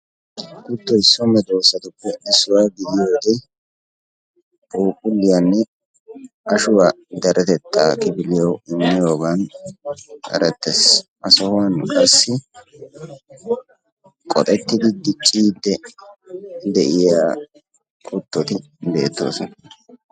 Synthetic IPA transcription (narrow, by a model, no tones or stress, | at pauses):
kʊt̪ːɔɪsːɔmɛd̪o̞ːsːɐt̪ʊpːɛɪsːʊwaːɡɪdɪjoːd̪ɛ | buːkʼʊlːɪjanːɛ | ɐʃʊwaː | d̪ɐɾɛt̪ɛt̪ːaːkɪbɪlɪjɐwɪnːɪjoːban | ʔɐ̰ɾɛt̪ːesʔɐsɔhʊwanːkʼɐsːɪ | kʼɔ̰t̪ʼɛt̪ːɪd̪ɪd̪ɪt͡ʃʼːiːd̪ːɛ | d̪ɛʔɪjaː | kʰʼʊt̪ːɔt̪ɪ | be̞̰ːt̪ːo̰ːsɔnɐ